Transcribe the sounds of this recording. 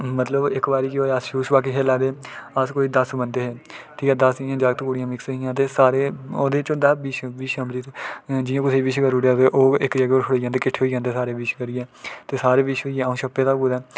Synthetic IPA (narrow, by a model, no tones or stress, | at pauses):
mət̪ləbɪkbaːɾiːkoːeasʃuːʃbaːk̬eːɦeːlaːd̪eːəskoːiːd̪əsbənd̪eːɦeːʈʰiːkɛːd̪əsɪjãːd͡ʒaːɡ̚t̪koɽɪjãːmɪksəɦijãːt̪̬eːsaːɾeːoːd̪eːt͡ʃõːd̪aːbiːʃbiːʃəmbɾiːt̪d͡ʒɪjãːkʊsʰeːibɪʃɡəɾuːɽaːt̪eʔoːɪkɾaɡoːɾt͡ʃʰʊɽeːd͡ʒãːnd̪eːkɪʈʰːeːɦoid͡ʒãːnd̪eːsaːɾeːbiːʃkəɾiːɛːt̪eːsaːɾeːbiːʃɦoːiːɛ̃ːaːũːʃʰəpːeːt̪aːkud̪ɛː